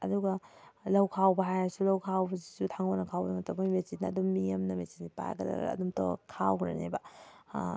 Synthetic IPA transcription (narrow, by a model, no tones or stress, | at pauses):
ɐduɡɐlɐwkʰawbɐɦajasulɐwkʰawbɐzisutʰaŋɡonɐkʰawbɐdɐmɐtɐpojmesinnɐːdumːijɐmnɐmesinnipa̰jɡɐɾa̰ɐ̰dumtɔ̰kʰawɾḛnḛbɐ